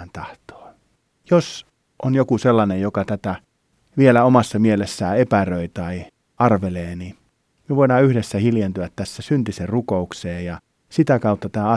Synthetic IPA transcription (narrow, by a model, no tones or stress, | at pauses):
nt̪ɑht̪o̥ː | jos | ʔonjokuselːɑnejjokɑt̪æt̪æ | ʋielæomɑsːɑmielesːæːepærøit̪ɑi | ɑrʋeleːni | mieʋoˑinɑːyhdesːæhiljent̪yæt̪tæsːæsynt̪iserrukoukseːjjɑ | sit̪ækɑut̪ːɑt̪æːɑ